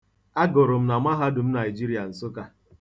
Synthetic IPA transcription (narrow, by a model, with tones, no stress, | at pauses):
a˦ɡʊ˨ɾʊ˨m̩˦na˨mʷa˦ɦa˦dʊ˨m̩˦na˨i˨d͡ʒi˦ɾi˦a˨n̩˨sʊ˦ka˦